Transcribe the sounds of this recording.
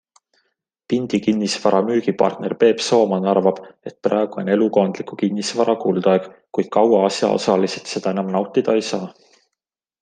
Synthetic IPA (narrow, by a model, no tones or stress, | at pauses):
pind̪̥ikinʲːisvɑɾɑmyːɡ̥ipɑ̰rt̪ne̞rpe̞ːpso̞ːmɑnɑrvɑb̥e̞t̪̚prɑeɡ̥uo̞̰ne̞luko̞ːnd̪likukinːisvɑɾɑkuːld̪̥ɑeɡ̥kujd̪̥̚kɑwɑɑsjɑ̰o̞̰sɑliset̪se̞d̪̥ɑe̞nɑmnɑwt̪ːˑid̪̥ɑe̞jsɑː